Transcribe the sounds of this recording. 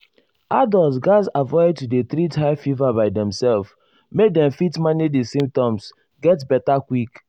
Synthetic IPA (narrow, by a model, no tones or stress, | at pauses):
adɔlˠs̬ɡaɪzavɔɪd̚tudet̪ɾithaɪfivabaɪdɛ̃msɛlf | mek̚dɛ̃mfitmanidisĩmp̚tɔ̃ms | ɡɛtbɛtakwik